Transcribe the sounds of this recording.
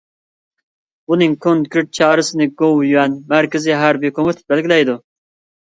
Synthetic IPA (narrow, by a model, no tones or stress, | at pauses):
bunɪŋkʰond̪kʲʰɾɪʈ̚t͡ʃʰɑːɾɨsɨnɨɡowjyɛnmæɾkʲɪzɪɦæɾbikʰomɪt̪ʰɪ̥bɛlɡʲilɛjd̪u